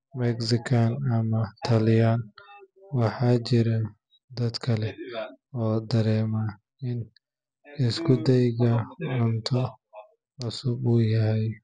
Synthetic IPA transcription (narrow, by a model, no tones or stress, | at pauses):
mɛksɪkʰanɐmɐt̪ʰɐlɪjan | wɑħɑːt͡ʃɪɾɐ | d̪ɐd̪kʰɐlɛɔːd̪ɐɾɛːma | ɪn | ɪskʰʊd̪ɛjɡɐʕʊnt̪ʰɔ | ʕʊsʊbuːjɐɦɛj